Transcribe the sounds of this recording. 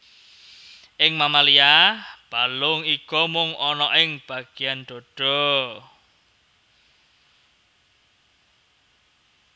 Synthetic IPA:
ʔɪŋmamaliab̥a̤lʊŋikɔmʊŋɔnɔʔɪŋb̥a̤ɡ̥i̤anɖ̪̥ɔ̤ɖ̥ɔ̤

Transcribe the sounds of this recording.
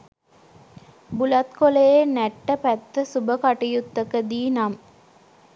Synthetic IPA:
bulɐt̪kolejenæʈːəpæt̪ːəsubəkaʈijut̪ːəkəd̪iːnam

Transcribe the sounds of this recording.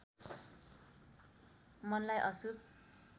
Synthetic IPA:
mʌnlajʔʌsub̚

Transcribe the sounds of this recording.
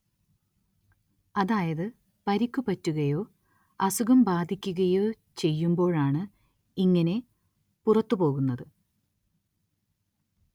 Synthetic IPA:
ɐðaːjɐðɨ | pɐɾikʲːupɐtːuɣɐjo̞ː | ɐsuɣɐmbaːd̪ʱikʲːuɣɐjo̞ː | t͡ɕe̞jːumbo̞ːɻaːɳɨ | iŋːɐne̞ | purɐt̪ːupo̞ːɣunːɐðɨ

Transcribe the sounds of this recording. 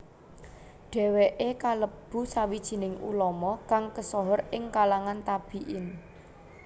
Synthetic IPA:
ɖ̥ɛ̤weʔekaləb̥ṳsawid̥ʒ̥i̤nɪŋṵlɔmɔkaŋkəsɔɦɔɾɪŋkalaŋant̪ab̥i̤ʔɪn

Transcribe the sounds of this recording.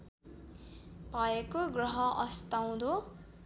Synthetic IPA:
bʱʌekoɡrʌɦʌʔʌst̪aw̃d̪o

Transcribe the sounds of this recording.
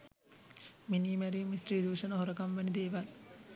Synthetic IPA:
miniːmæɾiːmisriːd̪uːʂɐnəɦoɾəkamʋænid̪eːʋal

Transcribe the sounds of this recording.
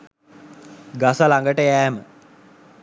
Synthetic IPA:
ɡasəlaŋɡəʈəjæːmə

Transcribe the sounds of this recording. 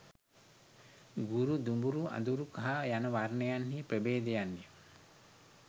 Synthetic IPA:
ɡuɾud̪umbuɾua̰d̪uɾukaɦajanəʋarnejanhiːpɾəbeːd̪ejanːi

